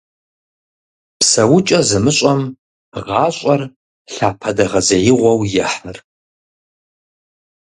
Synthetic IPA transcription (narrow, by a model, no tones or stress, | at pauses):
psɐwʊt͡ʃʼɐzɨmɨɕʼɐm | ʁɑːɕʼɐr | ɬaːpʰɐdɐʁɐzɐjɪʁʷɐwjɛħɨr